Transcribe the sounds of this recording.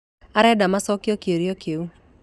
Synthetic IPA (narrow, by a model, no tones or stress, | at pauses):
aɾɛdamasɔkjɔkjoɾjɔkjou